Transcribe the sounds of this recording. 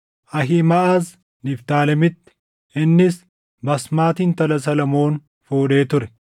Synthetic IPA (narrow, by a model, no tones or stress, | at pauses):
ʔɐɦɪmɐʔaːz | nɪft̪aːlɐmɪt̪ːɪ̥ | ɪnːɪs | bɐsmaːt̪iːnt̪ɐlɐs̬ɐlɐmo̞ːn | foːᶑe̞ːt̪ʊɾɛ